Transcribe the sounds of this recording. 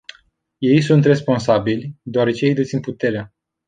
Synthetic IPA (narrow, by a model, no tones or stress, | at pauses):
je̞jsunt̪re̞spo̞nsabilʲd̪oaɾe̞t͡ʃeje̞jd̪et̪sinput̪e̞ɾea